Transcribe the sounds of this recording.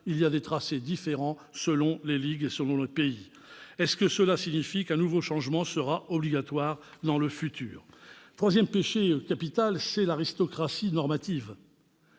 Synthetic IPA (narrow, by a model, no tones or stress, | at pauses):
iliad̪et̪χased̪ifeʁɑ̃ | səlɔ̃leliɡesəlɔ̃lepei | ɛskəsəlasiɲifikɛ̃nuvoʃɑ̃ʒmɑ̃səʁaɔbliɡat̪waʁd̪ɑ̃ləfyt̪ʰy̰ːʁt̪χwazjɛmpeʃekapit̪alsɛlaʁist̪ɔkχasinɔʁmat̪iv